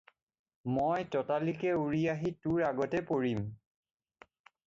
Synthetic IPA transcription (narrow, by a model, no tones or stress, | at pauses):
mojtɔtalikɛuɹijaɦituɹaɡɔtɛpoɹim